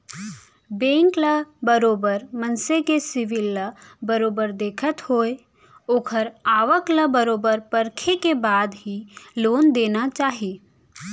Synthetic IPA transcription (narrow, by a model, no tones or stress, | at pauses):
bẽːŋkləbəɾoːbəɾmənsekesɪʋɪlːəbəɾoːbəɾd̪eːkʰət̪hoːe | oːkʰəɾaːʋəkləbəɾoːbəɾpəɾkʰekebaːd̪ɦiloːnd̪eːnat͡ʃaːɦieː